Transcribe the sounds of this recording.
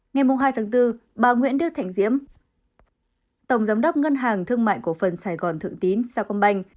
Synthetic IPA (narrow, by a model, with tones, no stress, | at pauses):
ŋa˨˩jmʊ˨˩ŋ͡mɦaː˧jt̪ʰaː˨˦ŋt̪ɨ˧ɓaː˨˩ŋwḭ˧˥ənɗɨ˧ət̪ʰa̰˧˨jŋ̟zḭ˧˥əm | t̪ə˧˩wŋ͡mzaː˨˦mɗə˦˥wk͡p̚ŋə˧nɦaː˨˩ŋt̪ʰɨ˧əŋma̰ː˧˨jku˧˩əfə˨˩nsaː˧˩jɣɔ˨˩nt̪ʰɨ̰˧˨əŋt̪i˨˦nsaː˧kɔ˧nɓa˧jŋ̟